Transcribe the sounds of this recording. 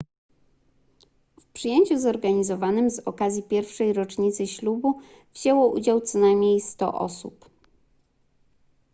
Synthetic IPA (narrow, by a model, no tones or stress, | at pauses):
fpʂɘjeɲt͡ɕuzɔɾɡaɲizɔvanɘmzɔkazʲjipʲjɛɾfʂɛjɾɔt͡ʂɲit̪sɘɕlubu | vʑewɔʔṵd͡ʑawt̪sɔnajmʲɲejst̪ɔ̰ʔɔ̰sṵp